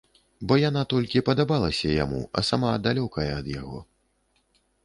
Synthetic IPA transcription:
bɔjanat̪ɔlʲkʲipɐd̪abalˠɐsʲɐja̰mṵɐ̰samad̪alʲɔkɐjɛɐd̪jaɣɔ̰

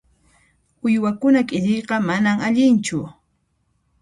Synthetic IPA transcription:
ʊjwakʊnakʼɪʎeqɑmanamaʎɪnt͡ʃʊ

